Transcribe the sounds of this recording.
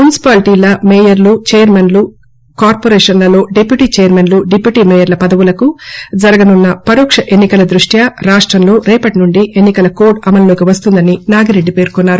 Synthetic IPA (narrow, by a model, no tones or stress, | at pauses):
mjunisi̥paːlʈiːlɐmeːjɐɾlut͡ʃeːjɐɾmenlu | kaːɾpoːɾeːʂɐnlɐlo̞ːɖepjuʈiːt͡ʃeːɐɾmenluɖepjuʈiːmɛːjɐɾlɐpɐd̪ɐʋulɐkud͡ʒɐɾɐɡɐnunːɐpɐɾoːkʂɐʔenːikɐlɐd̪ɾuʂʈjɐɾaːʂʈɾɐmlo̞ːɾɛːpɐʈnuɳɖiʔenːikɐlɐkoːɖɐmɐnlo̞ːkiʋɐst̪und̪ɐninaːɡiɾeɖːipe̞ːɾukunːaːɾu